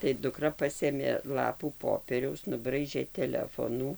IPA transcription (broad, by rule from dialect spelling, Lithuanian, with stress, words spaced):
tɐɪ dʊˈkrɐ ˈpɑːsʲeːmʲeː ˈlˠɑːpuː ˈpoːpʲiɛrʲɛʊs nʊˈbrɐɪʒʲeː tʲɛˈlʲæːfoːnuː